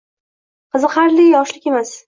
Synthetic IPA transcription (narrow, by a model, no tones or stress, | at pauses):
qʰɨzɨqaɾlɪjɒʃlɪkʲe̞mas